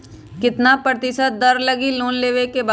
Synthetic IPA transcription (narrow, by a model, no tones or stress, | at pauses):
kɪt̪napɾət̪ɪsət̪̚d̪ɐɾlɐɡiloːnleːʋekeba